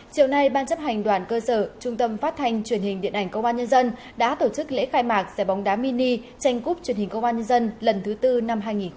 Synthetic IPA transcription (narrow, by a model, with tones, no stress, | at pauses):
t͡ɕi˨˩əwna˧jɓaː˧nt͡ɕp̚ha˨˩jŋ̟ɗwaː˨˩nkəː˧səː˧˩t͡ɕʊ˧ŋ͡mt̪ə˧mfaː˦˥t̚t̪ʰa˧jŋ̟t͡ɕwi˧˩ənhï˨˩ŋ̟ɗḭ˧˨ənʔa˧˩jŋ̟kə˧wŋ͡mɓaː˧nɲə˧nzə˧n | ɗa̰ː˧˥t̪o˧˩t͡ɕɨ˦˥k̚lḛ˧˥xaː˧jmaː˨˩k̚zɛ˧˩ɓa˨˦wŋ͡mɗaː˨˦mi˧ni˧ | t͡ɕa˧jŋ̟ku˦˥p̚t͡ɕwənhï˨˩ŋ̟kə˧wŋ͡mɓaː˧nɲə˧nzə˧nlə˨˩nt̪ʰɨ˨˦t̪ɨ˧na˧mɦaː˧jŋi˨˩